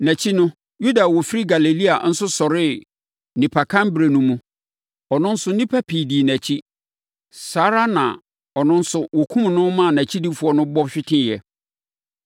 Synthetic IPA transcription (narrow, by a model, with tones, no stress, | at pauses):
næ̃˨t͡ɕʰi˦nʊ̃˦ | ju˦da˨wɔ˨fi˦ɾi˦ɡa˨le˨li˦a̰˨n̩˦sʊ˦sɔ˨ɾɪ˦ | nĩ˨pʰa˨kʰã˦mbɾe˨nũ˦mũ˦ | ɔ˨nʊ̃˦n̩˦sʊ˦nĩ˦pʰa˦pʰi˨di˨næ˨t͡ɕʰi˦ | saː˦ɾa˦nã̰˨ | ɔ˨nʊ̃˦n̩˦sʊ˦wɔ˨kʰũ˦m˨nʊ̃˦mã˦˨næ̃˨t͡ɕʰi˦di˦fu˨˦ɔ˦nʊ̃˦bɔ˦ɕᶣɪ˦tʰɪ̃˦˨jɛ̰˨